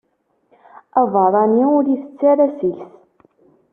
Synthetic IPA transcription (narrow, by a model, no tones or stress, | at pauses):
ævɑɾˤɑniʊɾiθə̥t͡sːæɾæsilθ